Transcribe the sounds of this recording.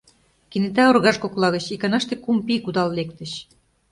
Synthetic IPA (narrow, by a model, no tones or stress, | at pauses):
kinet̪æorɣɑʃkoklɑɣə̆t͡ɕikɑnɑʃt̪ekumpikud̪ɑllek̚t̪ə̆ɕ